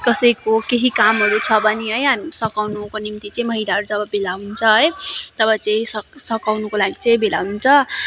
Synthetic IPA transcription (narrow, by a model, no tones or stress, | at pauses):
kʌsʌjkokeɦikamɦʌɾut͡sʰʌbʌneɦʌjɦamisʌkawnukonimt̪it͡sʌĩmʌɦilaɦʌɾud͡zʌbʌbelaɦunt͡sʰʌɦʌjt̪ʌbʌt͡sʌĩsʌksʌkawnukolaɡit͡sʌ̃bʱela̰ɦunt͡sʰʌ